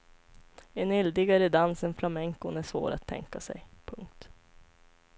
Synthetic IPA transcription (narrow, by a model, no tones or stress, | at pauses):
enɪld̪ɪɡaɾəd̪ansənflamɛŋkʊnæʂvo̰ːɾa̰t̪ʰːɛ̰ŋkasɛ̰jpʰɵŋk̚t̪